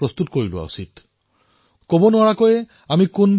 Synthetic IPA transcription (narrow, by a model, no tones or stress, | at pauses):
ɾɔst̪ut̪ɔ̥koɾiloa̰ṵsit̪ | kobonaɭakɔe | amikonb